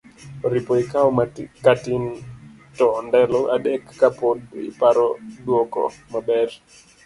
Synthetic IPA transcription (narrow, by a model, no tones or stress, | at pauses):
oɾipoikaokatin | tɔndɛlɔʔa̰ɗɛkːapodḭpaɾɔdwɔkɔ̰mabɛr